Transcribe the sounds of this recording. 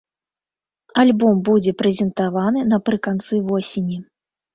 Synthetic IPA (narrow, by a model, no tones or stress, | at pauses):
alʲbɔmbud͡zʲɛpɾɛzʲɛnt̪avanɨnɐpɾɨkant̪sɨvɔsʲenʲi